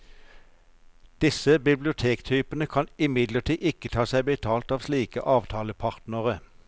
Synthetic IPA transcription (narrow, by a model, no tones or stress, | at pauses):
d̪̥ɪsəbɪblɪʊt̪ʰeːkt̪ʰyːpənəkʰɑnɪmɪd̪ləʈʰiːʔɪkət̪ʰɑːsæɪbət̪ʰɑːlt̪ɑːʋsliːkəʔɑːʋt̪ʰɑːləpʰɑʁt̪nəʁə